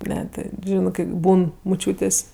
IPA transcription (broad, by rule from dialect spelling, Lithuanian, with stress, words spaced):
ˈnʲɛ ˈtʲɪ ˈʒʲɪnɜ kɜ ˈbuːn mʊˈt͡ʃʲuːtʲeːsʲ